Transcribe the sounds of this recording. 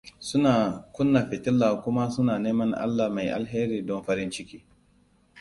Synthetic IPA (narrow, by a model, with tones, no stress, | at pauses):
sʊ˦naː˨kʷʊ˦nːa˨ɸɪ˨tɪ˦lːaː˨kʷʊ˦ma˦sʊ˦naː˨neː˦mɐ˦ŋʔa̰˦lːa˨hma˨jʔa̰˨lɦeː˦ɾiː˨dɔ˦nɸɐ˦ɾɪ˦nt͡ʃɪ˦kʲiː˦